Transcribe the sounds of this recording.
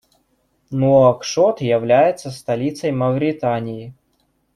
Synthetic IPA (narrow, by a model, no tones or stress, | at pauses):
nokʂot̪jɪvlʲæjɪt̪sːəst̪ɐlʲit̪səjmɐvɾʲɪt̪anʲɪjɪ